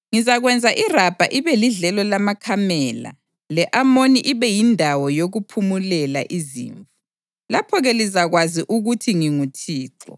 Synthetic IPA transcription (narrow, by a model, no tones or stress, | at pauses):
ŋizaɣwɛnd͡zʱaʔirab̥ʱaʔiβɛliɮɛlɔlamakʰamɛːla̰ | lɛʔamoniʔiβɛjindʱawɔjoɣupʰumulɛla̰ʔizḭːɱvu | lapʰɔɣɛlizaɣwaziʔuɣutʰiŋiŋutʰiːǁɔ̰